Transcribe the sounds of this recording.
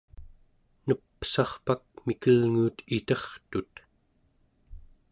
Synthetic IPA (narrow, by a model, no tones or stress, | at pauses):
nəpːsɑχpak̚mikəlŋuːt̪it̪ʌχt̪ut̪